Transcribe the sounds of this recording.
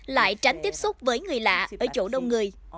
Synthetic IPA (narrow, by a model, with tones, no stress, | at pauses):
la̰ː˧˨jt͡ɕa˨˦ŋ̟t̪i˦˥əp̚sʊ˦˥k͡p̚vəː˨˦jŋɨ˨˩əjla̰ː˧˨ʔəː˧˩t͡ɕo̰˧˩ɗə˨˧wŋ͡mŋɨ˨˩əj